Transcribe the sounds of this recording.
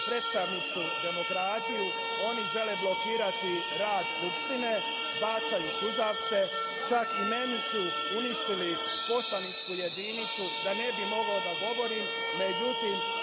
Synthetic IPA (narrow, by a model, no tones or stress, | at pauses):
pɾe̞t̪st̪aʋnit͡ʃkud̪e̞mo̞kɾaːt̪iju | o̞niʒe̞leblˠo̞kiːɾat̪i | ɾaːd̪skupʃt̪ine̞ | baːt̪sajusuzaʋk̪e̞ | t͡ʃakime̞nisu | uniʃt̪ili | po̞slaʋnit͡ʃkuje̞d̪init̪sud̪ane̞bimo̞ɡaod̪aɡo̞ʋo̞ɾiːmː | e̞d͡ʒut̪im